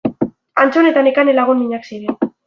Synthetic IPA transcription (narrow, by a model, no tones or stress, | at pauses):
ant͡so̞ne̞t̪anekanelaɣ̞unmiɲaksiɾen